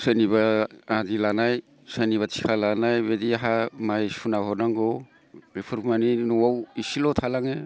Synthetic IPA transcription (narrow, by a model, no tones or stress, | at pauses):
saniβaːdilanaj | sajniβatʰi̥kʰalanajbediaɦamajsunaɦɔnaŋɡo | bepʰuɾmaninuwawisilotʰalaŋe